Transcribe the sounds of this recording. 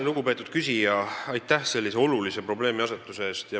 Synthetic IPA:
luɡ̥upe̞ːt̪ːud̪̥̚kysʲijɑɑjt̪ːˑæhse̞lːise̞o̞lulise̞pro̞ble̞ːmiɑset̪ːˑuseeːst̪jɑ

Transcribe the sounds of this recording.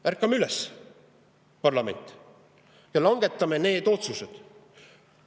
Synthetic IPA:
ʔærkːˑɑmeylɛs | pɑrlɑme̞̰nʲt̪ːˑ | jɑlɑŋɡ̥e̞t̪ːˑɑmene̞ːd̪̥o̞t̪suse̞d̪̥

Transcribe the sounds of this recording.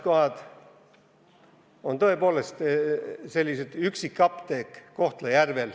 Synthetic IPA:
ko̞hɑd̪̥ | ont̪o̞epo̞ːlest̪se̞lʲːiset̪yksikːɑpt̪eːkːo̞ht̪lejærvel

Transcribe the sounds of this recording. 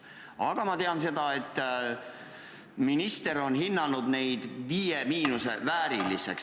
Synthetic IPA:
ɑɡ̥ɑmɑt̪e̞ɑnse̞d̪̥ɑe̞t̪ː | minist̪e̞ɾo̞nɦinːɑnud̪ne̞jd̪̥viːjemiːnuse̞væːɾilːisḛks

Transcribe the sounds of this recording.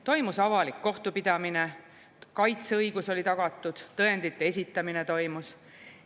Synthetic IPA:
t̪o̞jmusɑvɑlikːo̞ht̪upid̪̥ɑmine̞ | kɑjt̪seɤjɡ̥uso̞lʲit̪ɑɡ̥ɑt̪ːˑud̪̥t̪ːɤend̪̥it̪ːˑees̬ʲit̪ːˑɑmine̞t̪o̞jmus

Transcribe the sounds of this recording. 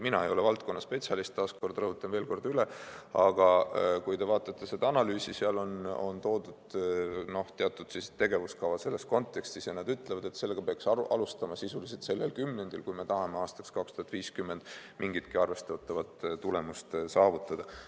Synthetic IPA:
minɑe̞jo̞levɑlt̪̚ko̞nːɑspe̞t̪siɑlist̪ːɑːsko̞rd̪rɤɦut̪ːˑɑnveːlko̞rd̪̥yleɑɡ̥ɑkujd̪e̞vɑːt̪ːˑɑt̪ːe̞se̞d̪ɑɑnɑlyːsiseɑlo̞no̰nt̪o̞ːd̪ud̪̥no̞ht̪e̞ɑt̪ːˑud̪̥sise̥e̞ɡe̞vuskɑvɑse̞lːe̞sko̞nt̪ˑːe̞kst̪isenɑd̪yt̪ːˑlevɑd̪e̞t̪se̞lːeɡ̥ɑpeɑksɑʔɑlust̪ɑmɑsisuliset̪se̞lːelkymːe̞nd̪̥ilkujme̞t̪ɑɦɑmeɑːst̪ɑ̥kskɑkst̪uhɑt̪ːˑviːskymːe̞nd̪̥mʔiŋɡ̥it̪kiɑrve̞st̪ɑt̪ːˑɑvɑt̪t̪ule̞must̪sɑːvut̪ːˑɑd̪ɑ

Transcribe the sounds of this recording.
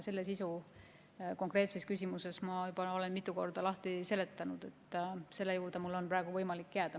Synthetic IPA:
se̞lːe̞sisu | ko̞ŋkre̞ːt̪se̞skysʲimuse̞smɑybɑo̞le̞nmit̪ːˑuko̞rd̪ɑlɑht̪ise̞le̞t̪ːˑɑnud̪̥e̞t̪ˑːse̞lːe̞juːɾd̪̥emulːo̞npɾæːɡ̥uvɤjmɑlikːjæːd̪̥ɑ

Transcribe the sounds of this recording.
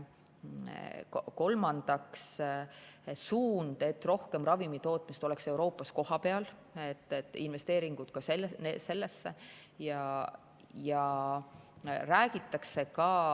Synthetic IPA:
ko̞lmɑnd̪̥ɑks | suːnd̪̥e̞t̪ːro̞hke̞mrɑvimit̪o̞ːt̪ˑmist̪o̞lɛ̞kse̞uɾo̞ːpːˑɑsko̞hɑpe̞ɑl | et̪ːˑet̪ːˑinve̞st̪e̞ːɾiŋɡ̥ut̪̚kɑselneːe̞lːe̞sːe | jɑ | jɑ | ræːɡ̥it̪ːˑɑkse̞kɑ

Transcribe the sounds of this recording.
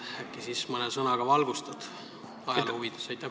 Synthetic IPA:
ækːisismɤnesɤnɑɡ̥ɑvɑlɡust̪ɑd̪̥ | ɑjɑlhuvid̪̥esɑjt̪ːˑæ

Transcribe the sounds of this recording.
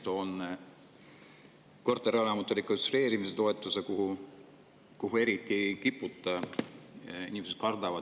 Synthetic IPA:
t̪on | ko̞rt̪ːˑeɾeolɑmut̪ːˑulikost̪re̞ːɾimiset̪o̞et̪ːˑusekuɦu | kuɦue̞ɾit̪ːˑiejkipːˑut̪ˑːɑ | ḭnʲimeset̪̚kɑrd̪̥ɑvɑ

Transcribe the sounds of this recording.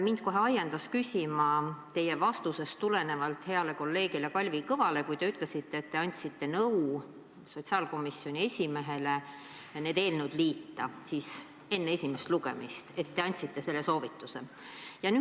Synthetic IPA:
mind̪̚ko̞ɦe̞ɑjend̪̥ɑskysʲimɑt̪e̞jevɑst̪use̞st̪ule̞ne̞vɑlt̪ˑhe̞ɑle̞ko̞lːe̞ːɡ̥ilekɑlʲvikɤvɑle̞kujd̪e̞yt̪ˑle̞sit̪ːe̞ːt̪ːe̞ɑnʲt̪ʲsit̪ːe̞nɤw | so̞t̪ʲsiɑːlko̞misːjo̞nʲie̞sʲime̞ɦe̞le | ne̞ːd̪e̞ːlnewd̪liːt̪ːɑsiːs | e̞nːee̞sʲimest̪luɡ̥e̞̰mist̪e̞t̪ːe̞ɑnʲt̪ʲsit̪ːe̞se̞lːeso̞ːvit̪ːˑuse̞ | jɑny

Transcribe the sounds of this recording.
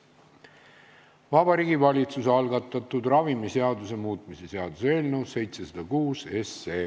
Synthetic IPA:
vɑbɑɾiːɡivɑlʲit̪susɑlɡɑt̪ːˑɑt̪ːˑud̪̥rɑvimise̞ɑd̪use̞muːt̪ˑmise̞se̞ɑd̪usee̞ːlne̞wsse̞jt̪sesɑd̪̥ɑkuːse̞seː

